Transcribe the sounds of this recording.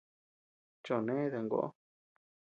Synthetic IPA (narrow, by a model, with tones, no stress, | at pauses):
t͡ʃo˨nẽ˦ðe˧˨ŋɡo̰˦˨ʔo̰˦